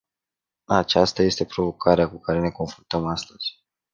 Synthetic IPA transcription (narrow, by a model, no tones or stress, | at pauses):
at͡ʃast̪aje̞st̪e̞pɾo̞vo̞kʰaɾeakukaɾe̞ne̞ko̞nfɾunt̪əmast̪əz̥ʲ